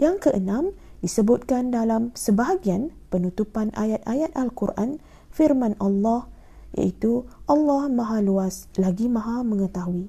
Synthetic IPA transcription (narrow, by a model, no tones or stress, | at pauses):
jaŋkəʔənãmdisəbʊt̪̚kandalamsəbaɦaɡianpənut̪upanʔa̰jat̪̚ʔajat̪̚ʔalkurʔa̰n | firmãnʔalːɑh | ja̰ʔit̪uʔɑlːɑhmãɦaluaslaɡimãɦamə̃ŋət̪aɦui